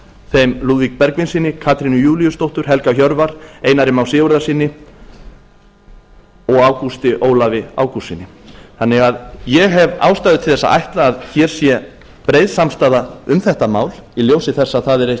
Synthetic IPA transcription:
θejmluːðvik̚pɛɾkvɪnsiːnɪkʰaːt̪ɾinʏjuːlijʏst̪owht̪ʏɾ̥ɦɛlkaçœɾvaɾejnaɾɪmawsɪːʏɾðasiːnːɪ | ɔɣaːwkust̪ɪʔoːwlavɪa̰ːwkusḭːnːɪ | θanːɪɣaðjɛɣɦɛva̰ːwst̪ajðʏt̪ʰɪlθɛsa̰ʔa̰jht̪laːðçɛːɾ̥sjɛ | pɾejðsamst̪aːðaʏmθɛht̪amaːwliljowsɪθɛsːaðθaðɛɾe

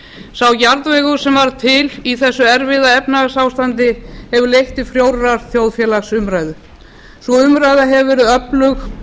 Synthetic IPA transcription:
sawcaɾt̪vɛɣʏɾsɛmvaɾ̥t̪ʰɪliθɛsːʏɛɾvɪðaɛpnaɣsawst̪ant̪ɪhɛvʏlejht̪ɪfɾjowɾraɾ̥θjowðfjɛːlaxsʏmɾajðʏ | svɔʏmɾajðaɦɛvʏvɛːɾʏðœplʏx

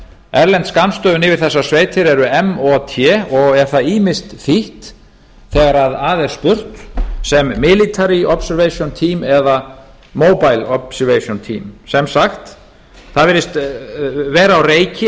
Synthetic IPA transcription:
ɛɾlɛnt̪skanst̪œːðʏnɪvɪɾ̥θɛsːasveːjt̪ʰɪɾɛɾʏɛmɔːt̪ʰjɛːɔɣɛɾ̥θaðiːmɪst̪θiht̪ | θɛːɣaɾaðaːðɛɾ̥spʏr̥t̪sɛmːɪlit̪ʰaɾiɔpsɛɾvejsjɔnt̪ʰiːmɛða | moːwpajlɔpsɛɾvejsjɔnt̪ʰḭːmsɛmsaxt̪ | θaðvɪɾɪst̪ | vɛːɾawreːjcʰɪ

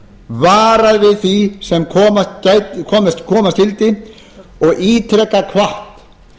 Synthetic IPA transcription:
vaːɾaðvɪðθisɛmkʰɔːmac̪kʰɔːmakʰɔːmascɪlt̪ɪ | ɔɣiːt̪ʰɾɛkːakʰvaht̪

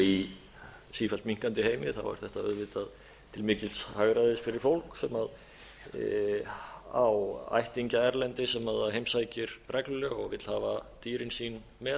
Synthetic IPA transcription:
i | siːfalt̪miŋ̥kant̪ɪheːjmɪθawɛ̰ɾ̥θɛht̪aœðvɪːt̪að | t̪ʰɪlmɪːcɪlshaːɣɾaðɪsfɪɾɪɾ̥fowlksɛmað | awa̰jht̪iɲcaɛɾlɛnt̪ɪsɛmaðaɦejmsajcɪɾ̥rɛklʏlʏɣɔɣvɪt̪l̥havat̪iːɾɪnsiːn | mɛð

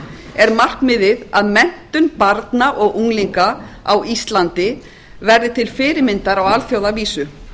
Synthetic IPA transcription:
ɛɾmar̥knmɪðɪðaðmɛn̥t̪ʏnpaɾt̪naʔɔɣʔuŋliŋkaawist̪lant̪ɪ | vɛɾðɪt̪ʰɪlfɪːɾɪmɪnt̪aɾawalθjowðaviːsʏ

